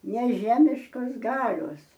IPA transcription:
nʲɛˈʒʲæːmʲɪʃkoːs ˈɡɑːlʲoːs

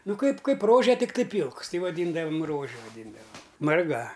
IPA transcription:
ˈnʊ ˈkɐɪp ˈkɐɪp ˈroːʒʲɛ tʲɪkˈtɐɪ ˈpʲiːlˠks ˈtʲɪ ʋɐˈdʲiːndɐʋɐm ˈroːʒʲɛ ʋɐˈdʲɪndɐʋɐm mɐrˈɡɐ

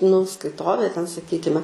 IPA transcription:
nʊ skɐɪˈtoːʋʲeː tʲɛn sɐˈkʲiːkʲɪmʲɛ

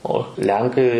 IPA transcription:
oː ˈlʲɛŋkɐɪ

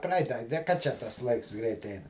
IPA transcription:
ˈprɐɪtɐ dʲɛ kɐ ˈt͡ʃʲɛ tɐs ˈlˠɐɪks ˈɡrʲɛɪt ˈɛɪn

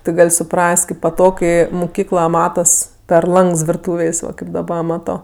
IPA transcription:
tʲɪ ˈɡɐlʲ sʊˈprɐsʲtʲ kɐɪp pɐˈtoːk ˈkɐɪ mʊˈkʲiːklˠɐ ˈmɑːtɐs pʲɛr ˈlˠɐŋks ʋʲɪrˈtuːʋʲeːsʲ ˈʋɐ kɐɪp dɐˈbɐ ˈmɑːtoː

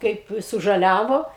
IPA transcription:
ˈkɐɪp sʊʒɐˈlʲæːʋoː

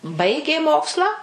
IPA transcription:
ˈbɐɪɡʲeː ˈmoːkslˠɑː

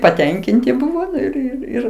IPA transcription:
pɐˈtʲɛŋʲkʲɪnʲtʲɪ ˈbʊʋoː ɪr ɪr ˈɪr

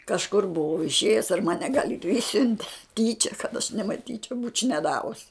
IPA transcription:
kɐʃˈkʊr bʊˈʋɐʊ ɪʃʲˈeːjʊs ɐr ˈmɑːnʲɛ ɡɐlʲ ɪr ˈɪʃʲsʲʊnʲtʲɛ ˈtʲiːt͡ʃʲɛ kɐt ɐʃ nʲɛmɐˈtʲiːt͡ʃʲɛʊ buːt͡ʃʲ nʲɛˈdɑːʋʊs

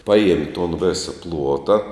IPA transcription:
ˈpɑːˌjiɛmʲɪ toːn ˈʋʲeːsɐ ˈplˠuɔtɐ

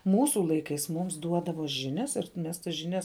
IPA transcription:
ˈmuːsʊ ˈlˠɐɪkɐɪs ˈmʊms ˈduɔdɐʋoː ˈʒʲɪnʲɛs ɪr ˈmʲɛs tɐs ʒʲɪˈnʲɛs

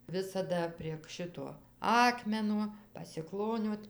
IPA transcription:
ˈʋʲɪsɐdɐ pʲrʲiɛk ˈʃʲɪtoː ˈɑːkmʲɛnoː pɐsʲɪˈklˠoːnʲoːt

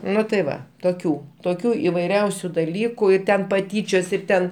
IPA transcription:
ˈnʊ tɐɪ ˈʋɐ toːˈkʲuː toːˈkʲuː ɪʋɐɪˈrʲɛʊsʲʊ dɐˈlʲiːkʊ ɪ ˈtʲɛn pɐˈtʲiːt͡ʃʲoːs ɪr ˈtʲɛn

